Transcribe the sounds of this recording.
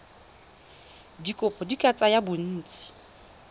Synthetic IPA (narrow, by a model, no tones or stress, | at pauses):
dikʼʊpʰɔdikʼat͡sʼajabʊn̩ːt͡sʼi̥